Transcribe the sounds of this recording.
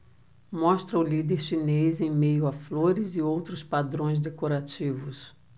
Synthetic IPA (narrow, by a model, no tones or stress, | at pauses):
mɔst̪ɾɐʊlid̪eɾʃinezẽj̃mejʊafloɾɪzɪowt̪ɾʊspad̪ɾõj̃zd̪ekoɾat͡ʃivʊs